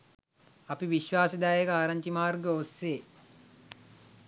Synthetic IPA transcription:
ɐpiʋiʃʋaːsəd̪æːjekəaːɾɐɲt͡ʃimaːrɡəosːeː

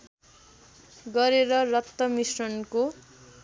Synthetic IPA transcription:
ɡʌɾeɾʌrʌt̪ːʌmisrʌnko

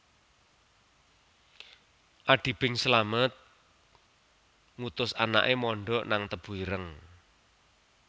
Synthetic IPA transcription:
ʔaɖ̥i̤b̥ɪŋsəlamət̪̚ | ŋut̪ʊsana̰ʔemɔɳɖɔʔnaŋt̪əb̥uiɾəŋ

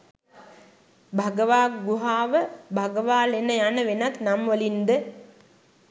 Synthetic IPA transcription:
bʱaɡəʋaːɡuɦaːʋəbʱaɡəʋaːlenəjanəʋenat̪namʋəlind̪ə

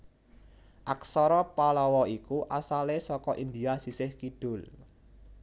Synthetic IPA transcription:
ʔaksɔɾɔpalɔwɔikuʔasalesɔkɔʔind̪iasisɪhkiɖ̥ʊl

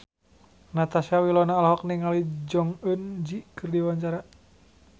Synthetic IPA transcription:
nat̪asawilɔnaːlɦɔk̚niŋalid͡ʒɔŋənd͡ʒikɨrdiwaɲt͡ʃaɾa

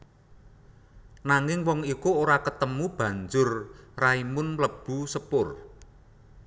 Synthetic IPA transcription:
naŋɪŋwɔŋikuoɾakət̪əmub̥ä̤ɲd͡ʒʊrraimʊnləb̥ṳsəpʊr

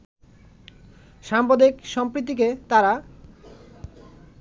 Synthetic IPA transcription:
ʃampod̪ikʃɔmpɾit̪̬ːik̬et̪aɾa

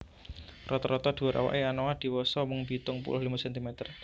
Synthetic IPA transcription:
rɔt̪ɔɾɔt̪ɔd̪̥ṳaɾʔa̰wa̰ʔeanɔwad̪̥i̤wɔsɔmʊŋb̥it̪ʊŋpṵlʊhlimasɛnt̪imɛt̪ər

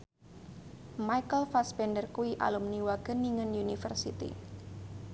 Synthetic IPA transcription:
majkəlfaspɛndərkuwiʔa̰lumniwaɡ̥əniŋənjunifərsḭt̪ḭ

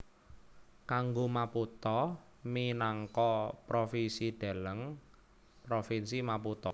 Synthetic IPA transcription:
kaŋɡomaput̪ɔ | minaŋkɔpɾofisid̪̥a̤ləŋ | pɾofinsimaput̪ɔ

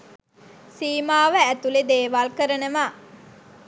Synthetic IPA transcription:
siːmaːʋəæt̪uled̪eːʋalkəɾənəʋa

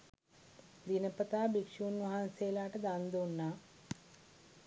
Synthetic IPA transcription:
d̪inɐpɐt̪aːbikʂuːnʋɐɦanseːlaːʈɐd̪aːnd̪oːnːaː

